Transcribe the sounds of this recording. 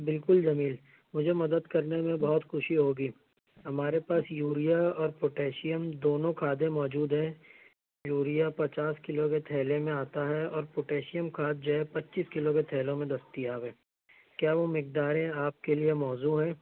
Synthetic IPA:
bɪlkʊlzɐmiːl | mʊd͡ʒʱemɐd̪əd̪kɐɾnemẽbɔɦʊt̪xʊʃiɦoːɡiː | ɦɐmaːɾepaːsjuːɾijaɔːɾpoʈeːʃɪjəmd̪oːnõkʰaːd̪ẽmɔːd͡ʒuːd̪ɦɛ̃ | juːɾijapɐt͡ʃaːskɪloket̪ʰɛːlemẽaːt̪aɦɛɔːɾpoʈeːʃɪjəmkʰaːd̪̚d͡ʒɐːɛpɐtːʃiːskɪloket̪ʰɛːlõmẽd̪ɐst̪ijaːʋɦɛ̃ː | kjaːʋomɪk̚d̪aːɾẽaːp̚keliemɔːzuɦɛ̃ː

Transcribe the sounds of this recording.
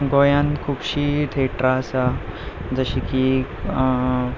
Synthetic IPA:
ɡojankʰupɕit̪ʰeʈɾasad͡zəɕiki

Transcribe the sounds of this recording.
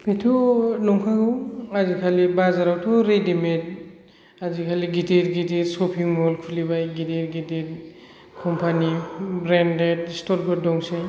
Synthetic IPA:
pʰetʰɔnɔŋkʰaɡɔwazikʰalibazaɾawtʰɔɾedimet̚ | azikʰaliɡiteɾɡiteɾsɔpʰiŋmɔlkʰulibajɡiteɾɡidet | kʰɔmpʰanibɾendet̚stɔlbɔdɔŋse

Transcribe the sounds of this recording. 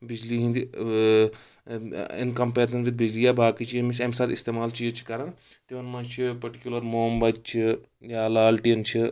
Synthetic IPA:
bid͡ʒliɦĩnd̪i | ḭnkɐmpeːɾsɐnʋid̪̚bid͡ʒlijabʱaːkit͡ʃʰiemisɐmsaːt̪ist̪eːmaːlt͡ʃijt͡ʃʰi̥kɐɾɐn | t̪ieʋɐnmɐnt͡ʃʰipɐɾʈikʲjulɐɾmoːmbɐd̪̚t͡ʃʰi | jaːlaːlʈiɐnt͡ʃʰi

